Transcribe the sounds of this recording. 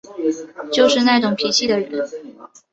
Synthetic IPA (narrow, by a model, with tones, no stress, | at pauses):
t͡ɕjo˥˧ʊʂɻ̩˥˧na˥˩ɪʈ͡ʂʊ˨˩ŋpʰi˧˥t͡ɕʰi˥˩d̪ə˩ɻə˧˥˦n